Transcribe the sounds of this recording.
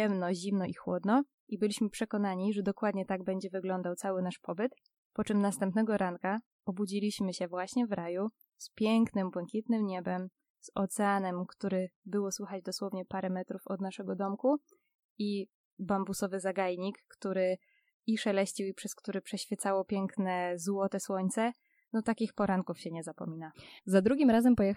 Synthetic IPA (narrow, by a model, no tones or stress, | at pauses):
ɛmnɔʑimnɔʔixwɔ̰d̪nɔ | ʔibɘlʲiɕmɘpʂɛkɔnaɲiʐɛd̪ɔkwad̪ɲɛt̪aɡ̚bɛɲd͡ʑɛvɘɡlɔnd̪awt̪sawɘnaʂpɔbɘt̪ | pɔt͡ʂɘmnast̪ɛmpnɛɡɔɾʔaŋka | ɔbud͡ʑilʲiɕmɘɕɛvwaɕɲɛvɾaju | spʲjɛŋknɘmbwɛŋkʲit̪nɘmɲɛbɛm | z̥ɔt̪sɛanɛmkt̪uɾɛbɘwɔswɘxad͡ʑd̪ɔswɔvɲɛpaɾɛmɛt̪ɾufɔd̪naʂɛɡɔd̪ɔmku | i | bambusɔvɘzaɡajɲikːt̪uɾɘ | iʂɛlɛɕt͡ɕiwipʂɛskt̪uɾɘpʂɛɕfʲjɛt̪sawɔpʲjɛŋknɛzwɔt̪ɛswɔɲt̪sɛ | nɔt̪akʲixpɔɾaŋkufɕɛɲɛzapɔ̰mʲinazad̪ɾuɡʲimɾazɛmpɔjɛ